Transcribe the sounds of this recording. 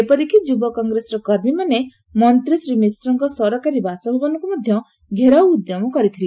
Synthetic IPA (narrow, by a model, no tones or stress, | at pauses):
epɔɾikid͡ʒubɔkɔŋɡɾesɔɾɔkɔɾmimane | mɔnt̪ɾisɾimisɾɔŋkɔsɔɾɔkaɾibasɔɦebanɔŋkumɔd̪ʱjɔ | ɡʱeɾawud̪jɔmɔkɔɾit̪ʰili